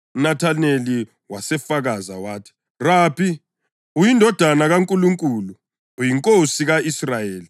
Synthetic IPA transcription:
unatʰaneli | wasɛfaɣaza̰waːtʰi̥ | raːpʰi | ujindʱɔd̥ʱanaɣaŋkʼuluŋkʼuːluː | jiŋkʼosiɣaisrajeːli

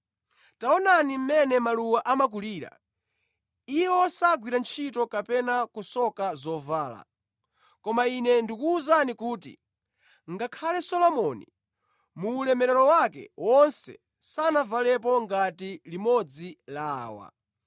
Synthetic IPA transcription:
taɔnanim̩mɛnɛmaluwaʔamak̬uliːɾa̰ | ijɛɔsaɡwiɾant͡ʃʰitɔkapɛnakusɔkazɔvaːla̰ | kɔmainɛndikuːzanikuːtḭ | ŋɡakʰalɛsɔlɔmɔni | muːlɛmɛɾɛlɔwakɛ̰wɔnsɛ̰ | sanavalɛp̬ɔŋɡatilimɔd͡zilaːwa̰

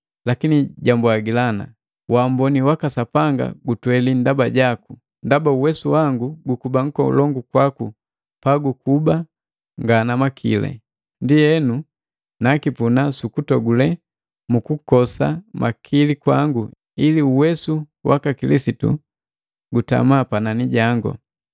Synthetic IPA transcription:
lakiniɟambwaɡilana̰ | wambɔniwakasapaŋɡa̰ɡutwɛlindabaɟaku | ndabauwɛsuwaŋɡuɡukubaŋ̩kɔṵlɔŋɡukwaku | paɡukuba | ŋɡanamakʰḭlɛ̰ | ndijɛnu | nakipunasukutɔɡulɛ | mukukɔsamʔakʰilikwaŋɡu | iliuwɛsu | wʔa̰kakilisitṵ | ɡuta̰mapananiɟaŋɡɔ̰

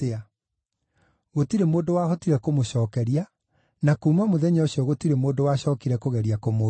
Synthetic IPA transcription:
ea | ɣotiɾemoːndowaɦɔtiɾɛkomoɕɔːkɛɾia | nakuːmamoðɛɲaoɕiɔɣotiɾemoːndowaɕɔːkiɾɛkoɣɛɾiakomo

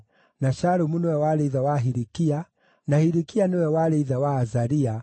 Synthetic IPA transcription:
naʃaɾumunɔwɛwalɛiðawaɦiɾikia | nahiɾikianiwɛwalɛiðawaːzaɾia

